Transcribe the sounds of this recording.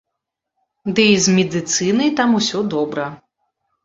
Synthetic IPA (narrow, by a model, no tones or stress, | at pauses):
d̪ɨizmʲɛd̪ɨt̪sɨnɐjt̪amusʲɔd̪ɔbɾɐ